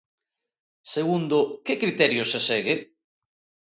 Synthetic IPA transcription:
seɣund̪ʊkɪkɾit̪ɛɾjosesɛɣɪ

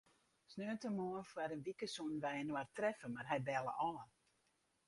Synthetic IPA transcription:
snøːəntəmoənfwaɾənʋikəsɔnʋɛjnwartrɛfəmarɦɛjbɛlˠə̰ʔɔːn

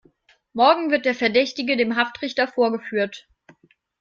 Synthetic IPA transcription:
mɔɐɡŋ̩vɪɐt̚d̥eːɐfɛɐdɛçtɪɡədeːmɦaftʁ̥ɪçtɐfoːɐɡəfyːɐt

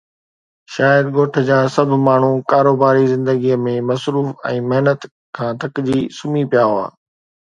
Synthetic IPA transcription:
ʃaːjəd̪ɡoːʈʰə̆d͡ʑaːsɐbʱmaːɳ̤ukaːɾoːbaːɾizɪ̃nd̪əɡiəmẽmɐsɾuːfɛ̃ːmɪɦnət̪ | kʰãːt̪ɐkd͡ʑiːsʊmipijaːɦoa̰ː

